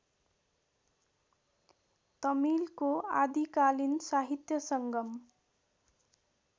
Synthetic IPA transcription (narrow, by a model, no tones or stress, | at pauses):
t̪ʌmilkoad̪ikalinsaɦit̪jʌsʌŋɡʌm